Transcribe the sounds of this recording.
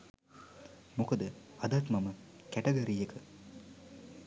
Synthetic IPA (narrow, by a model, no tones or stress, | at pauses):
mokəd̪əɐd̪at̪maməkæʈeɡoɾiːekə